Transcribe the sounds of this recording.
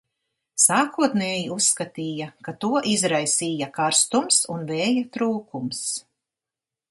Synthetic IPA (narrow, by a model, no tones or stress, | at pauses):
saːkuɔt̪neːjiusːkat̪iːjakat̪uɔʔizɾajsiːjakaɾst̪umsunvɛːjat̪ɾuːkums